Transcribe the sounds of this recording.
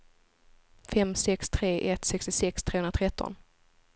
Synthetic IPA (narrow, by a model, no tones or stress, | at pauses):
fɛmsɛkst̪ʰɾeːʔɛt̪sɛkst̪ɪsɛkst̪ʰɾeːɵnat̪ʰɾɛt̪ʰːɔ̰n